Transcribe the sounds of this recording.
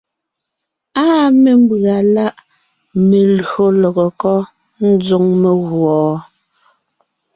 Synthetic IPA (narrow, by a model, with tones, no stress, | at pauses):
aː˦me˨m̩˦bɰa˨la˦ʔ | me˨lo˦lɔ˨ɣɔ˨kɔ˦ | n̩˦d͡zo˦ŋme˨ɣwɔː˨˦